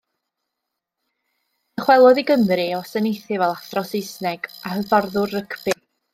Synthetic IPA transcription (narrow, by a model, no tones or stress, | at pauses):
əχwɛlˠɔðiɡəmrɨɔsɛnejθɪvɛlˠaθrɔsɪjsnɛɡ̥ahəvarðʊrːəkʰbɪ